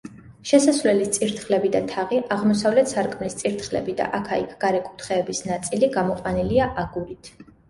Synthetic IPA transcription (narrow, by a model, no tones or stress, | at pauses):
ʃɛsasvlɛlist̪sʼiɾt̪ʰχlɛbid̪at̪ʰaʁiʔaʁmɔsavlɛt̪ʰsaɾkʼmlist̪sʼiɾt̪χlɛ̰bid̪a̰ʔakʰaikʰɡ̥aɾɛkʼu̥t̪ʰχɛːbisnat̪sʼiliɡamɔqʼwaniliaʔaɡuɾit̪ʰ